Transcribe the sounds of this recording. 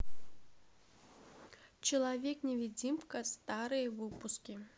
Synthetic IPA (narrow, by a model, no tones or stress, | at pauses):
t͡ɕɪlˠavʲeknʲɛvʲid͡zʲimkɐst̪aɾɨjɐvɨpuskʲi